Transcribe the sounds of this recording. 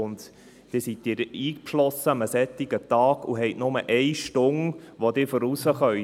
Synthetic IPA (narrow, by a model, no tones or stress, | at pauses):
ʊnd̪ | d̥ɪːɾsit̚dɪːɾiːkpʃlɔsːəməsɛt̪ːiɡət̪ɑːɡ̥ṵɦɛɪtnʊmə̰ʔɛjʃtʊŋʋod̪ɪːɾfɔɾusəχœ